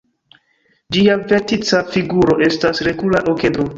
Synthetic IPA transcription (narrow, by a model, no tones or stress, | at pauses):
d͡ʒiavetit͡safiɡuɾo̞ʔe̞stasɾe̞ɡulaʔoke̞do